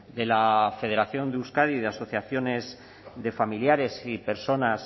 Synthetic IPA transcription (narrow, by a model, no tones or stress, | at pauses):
d̪e̞lafe̞ð̞e̞ɾaθjo̞nd̪euskaðiðeaso̞θjaθjo̞ne̞z | ðe̞familjaɾe̞sipe̞ɾso̞nas